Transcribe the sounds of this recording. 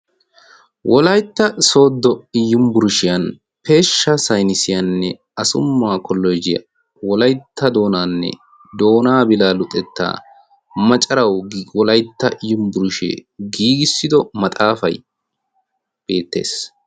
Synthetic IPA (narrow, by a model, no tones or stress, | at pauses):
wʔɔlɐjt̪ːɐso̞ːd̪ːɔɪjːʊmbʊɾʊʃɪjɐn | pe̞ːʃːɐsɐjnɪsɪjɐnːɛ | ɐsʊmːaːkɔlːɔjd͡ʒɪjɐ̰ | wɔlɐjt̪ʰːɐd̪o̞ːnaːnːɛ̰ | d̪o̞ːnaːbɪlaːlʊt̪ʼɛt̪ːa̰ː | mɐt͡ʃʼɐɾɐwwɔlɐjt̪ːɐʔɪjːʊmbʊɾʊʃḛːɡiːɡɪsːɪd̪ɔmɐt̪ʼaːfɐ̰j | b̥e̞ːt̪ːe̞̰ːs